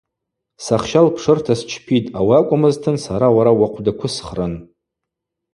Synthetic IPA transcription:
saχʃalpʰʂɨrtʰast͡ʃʰpʰitʼawakʷʼʊmɨztʰɨnsaɾawaɾawaqʷʰdakʷʰʊsχrɨn

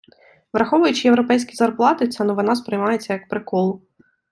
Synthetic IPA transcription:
ʋɾɐxɔʋʊjʊt͡ʃɪjeʋɾɔpɛjsʲkʲizɐrplˠɑt̪ɪtt͡sʲɐnɔʋɪnaspɾɪjmɑjet͡sʲːɐjɐkpɾɪkɔlˠʊ

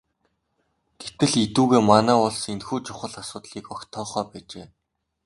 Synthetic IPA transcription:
ɡ̥et̪ɘ̆ɮit̪uːɣeːmanæːʊɮsenxuːt͡ɕʰʊχə̆ɮasʊːt̪ɮiːkɔkt̪ʰɔːχœːpæːt͡ɕeː

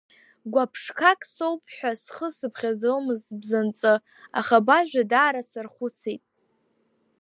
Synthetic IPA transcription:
ɡʷapʰʂkʰakʼsowpʼħʷᶣasχəsɨpʰχʲad͡zowmɨztʼbzant͡sʼɨ | a̰χabaʒᶣadaːɾasɨrχʷʊt͡sʰijtʼ

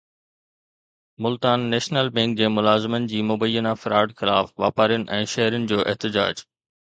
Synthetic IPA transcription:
mʊlt̪aːnːɛːʃnəlbɛ̃ŋk̚d͡ʑeːmʊlaːzɪmənɪ̆d͡ʑiːmʊbəjːənafɪɾaːɾɖxɪlaːfʋa̰ːpaːɾijʊnɪ̆ʔɛ̃ːʃɛɦɾənɪ̆d͡ʑoːʔɛ̰ɦt̪ɪd͡ʑa̰ːd͡ʑ

